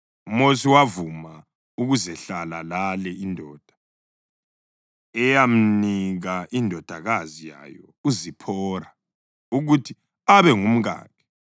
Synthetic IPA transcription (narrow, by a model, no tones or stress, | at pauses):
umosiwavuma | uɣuzɛɬala̰lalɛindʱɔːd̥ʱḁ | ɛjam̩niɣaʔindʱɔd̥ʱaɣazija̰jɔ | uzipʰɔra | uɣutʰi | aβɛŋum̩ɣa̰ːkʰɛ̥